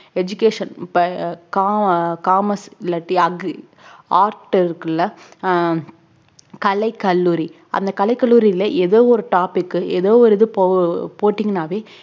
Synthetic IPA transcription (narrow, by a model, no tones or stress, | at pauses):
ɛd͡ʒʊkeːʂɐnpɐkaːkaːmɐsɪlːɐʈːiɐɡ | aːɾʈɐɾɯkːɯlːɐ | kɐlɐɪkːɐlːuːɾi | ʔɐ̰nd̪ɐkɐlɐɪkːɐlːuːɾiɪlɐʔɛðoːɔɾɯʈaːpɪkːɯɛðoːɔɾɪðɯpopoːʈːɪŋɡɐnaːʋeː